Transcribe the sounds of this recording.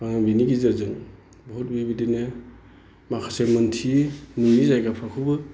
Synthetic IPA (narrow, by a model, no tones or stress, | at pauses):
aŋabiniɡizazɯŋ | bɔɦut̚bibidine | makʰasemɯntʰimujizajɡapʰakʰubɯ